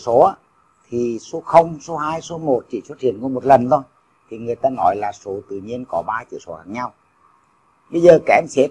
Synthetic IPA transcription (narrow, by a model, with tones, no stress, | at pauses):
so˨˦aː˨˦ | t̪ʰi˨˩so˨˦xə˧wŋ͡mso˨˦haː˧jso˨˦mo˨˩t̚t͡ɕi˧˩swə˦˥t̚hḭ˧˨ənku˧˦mo˨˩t̚lə˨˩nt̪ʰo˧j | t̪ʰi˨˩ŋɨ˨˩əjt̪aː˧nɔ˨˦jlaː˨˩so˨˦t̪ɨ̰˧˨ɲi˧ənkɔ˨˦ɓaː˧t͡ɕḭ˧˨so˨˦xaː˧˩ŋɲa˧w | ɓə˧jzəː˨˩kaː˧˩ʔɛ˧mse˨˦